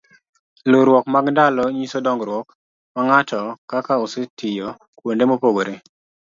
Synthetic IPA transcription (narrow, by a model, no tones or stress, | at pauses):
loɾwɔkmaɡndalɔɲisodɔŋɡɾwɔk | maŋatɔkakaosɪtɪjo | kwondemopoɡoɾe